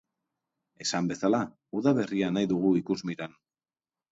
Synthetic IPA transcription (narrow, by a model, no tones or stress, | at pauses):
e̞sambe̞sala | uðaβe̞rianajðuɣ̞uikuzmiɾan